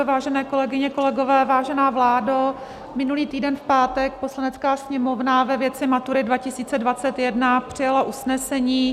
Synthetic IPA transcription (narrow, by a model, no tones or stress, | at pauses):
vaːʒɛnɛːko̞lɛɡɪɲɛko̞lɛɡo̞vɛːvaːʒɛnaːvlaːda | mɪnuliːt̪iːdɛnfpaːt̪ɛk̚po̞slanɛt͡skaːsɲɛmo̞vnavɛvjɛt͡sɪmat̪uɾɪdvacɪsiːt͡sɛdvat͡sɛt̪jɛdnapr̥ɪjalaʔusnɛsɛɲiː